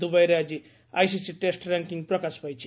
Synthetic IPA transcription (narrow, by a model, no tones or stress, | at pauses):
d̪ubajɾead͡ʒi | a̰jsisiʈesʈɾaŋkiŋɡpɾɔkaspajt͡ʃʰi